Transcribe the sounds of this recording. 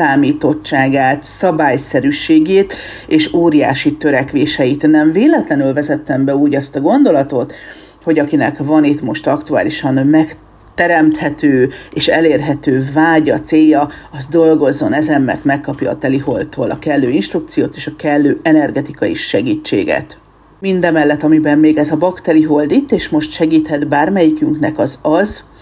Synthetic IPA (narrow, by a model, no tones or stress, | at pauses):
aːmiːt̪o̞t͡ʃt͡ʃːaːɡaːt̪sɒbaːjsɛɾyʃeːɡeːt̪ | eːʃoːɾija̰ːʃit̪ø̞ɾɛkʋeːʃɛjit̪nɛɱveːlɛt̪lɛnylvɛzɛt̪ːɛmbɛuːɟɒst̪ɒɡo̞nd̪o̞lɒt̪o̞t̪ | ho̞ɟɒkinɛkvɒnit̪mo̞ʃt̪ɒkt̪ua̰ːliʃɒnmɛk | t̪ɛɾɛmt̪hɛt̪øːeːʃɛleːrɦɛt̪øːvaːɟɒt̪seːjːɒɒzd̪o̞lɡo̞zːo̞nɛzɛmːɛ̰rt̪mɛkːɒpjɒ̰ːt̪ɛliɦo̞ldt̪ʰːoːlɒkɛlːøːinʃt̪ɾukt̪sijo̰ːt̪eːʃɒkɛlːøːʔɛnɛrɡɛt̪ikɒjḭʃɛɡiːt͡ʃːḛːɡɛ̰t̪ | mind̪ɛmɛlːɛt̪ɒmibɛmːeːɡɛzɒbɒkt̪ɛliɦo̞ld̪it̪ːeːʃmo̞ʃt̪ʃɛɡiːt̪hɛd̪baːrmɛjikyŋknɛkɒzɒz